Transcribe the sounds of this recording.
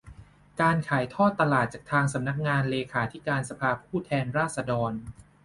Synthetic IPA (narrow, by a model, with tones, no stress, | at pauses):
kaː˧nkʰaː˩˦jt̪ʰɔː˥˩t̪ːa˧laː˨˩t̪̚t͡ɕaː˨˩k̚t̪ʰaː˧ŋsa˩˦mna˦˥k̚ŋaː˧nleː˧kʰaː˩˦t̪ʰi˦˥kaː˧nsa˧pʰaː˧pʰuː˥˩t̪ʰɛː˧nɾaː˥˩t̪̚sa˧dɔː˧n